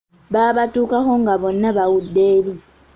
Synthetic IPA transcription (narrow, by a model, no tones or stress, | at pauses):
ɓaɓatʼukʼahɔŋɡaɓɔnaɓawudeːli